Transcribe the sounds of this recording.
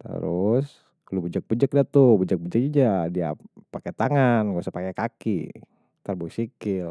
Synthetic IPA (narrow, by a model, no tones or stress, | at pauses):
t̪ə̰ɾʊs | lubəd͡ʒək̚bəd͡ʒək̚dat̪ubəd͡ʒək̚bəd͡ʒək̚id͡ʒadia̰paket̪aŋanɡosapakɛkakḭ | t̪ərbuisikɪl